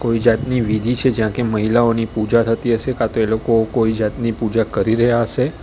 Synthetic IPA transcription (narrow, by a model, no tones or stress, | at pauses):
koid͡ʒat̪niʋid̪ʱit͡ʃʰed͡ʒjãkeməɦilaonipud͡ʒat̪ʰət̪iɦəʃekat̪oelokokoid͡ʒat̪nipud͡ʒakəɾiɾəɦjaɦəʃe